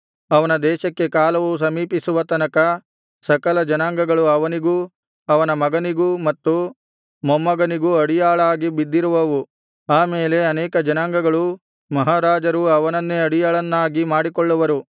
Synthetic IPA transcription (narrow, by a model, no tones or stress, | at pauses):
ɐʋɐnɐd̪ɛːʃɐkːe̞kaːlɐʋus̬ɐmiːpisuʋɐt̪ɐnɐkɐ | sɐkɐlɐd͡ʒɐnaːŋɡɐɡɐɭuɐʋɐniɡu | ɐʋɐnɐmɐɡɐniɡumɐt̪ːu | mɐmːɐɡɐniɡuɐɽijaːɭaːɡibid̪ːiɾuʋɐʋu | aːmeːle̞ɐnɛːkɐd͡ʒɐnaːŋɡɐɡɐɭu | mɐɦaːɾaːd͡ʒɐɾuɐʋɐnɐnːeɐɽijaːɭɐnːaːɡimaːɽikɔɭːuʋɐɾu